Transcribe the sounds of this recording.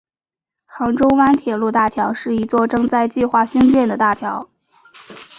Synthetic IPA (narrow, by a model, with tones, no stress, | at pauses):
xɑ˧˥ŋʈ͡ʂʊ˥ʊwa˥nt̪ʰjɛ˨˩lu˥˧t̪a˥˩t͡ɕʰjɑ˧˥ʊʂɻ̩˥˩i˧˥t͡swɔ˥˩ʈ͡ʂɤ˥˧ŋt͡sa˥˧ɪt͡ɕi˥˧xwa˥˩ɕi˥ŋt͡ɕjɛ˥˩nd̪ə˩t̪a˥˩t͡ɕʰjɑ˧˥ʊ